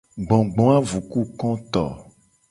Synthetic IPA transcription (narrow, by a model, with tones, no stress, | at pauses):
ɡ͡bɔ̃˨ɡ͡bɔ̃˦a˦vu˨ku˦kɔ̃˦t̪ɔ̰˨